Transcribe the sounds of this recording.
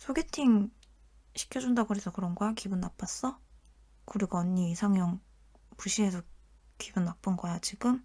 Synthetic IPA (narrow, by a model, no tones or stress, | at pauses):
sʰoɡe̞tʰiŋ | ɕʰi̥kʰjʌd͡ʑundaɡɯɾesʰʌkɯɾʌnɡaakibunːap͈as͈ʌ | kɯɾiɡʌɲːiːsʰaŋjʌŋ | puɕʰiɦe̞sʰʌ | kibunːap͈ɯnɡʌjat͡ɕiɡɯm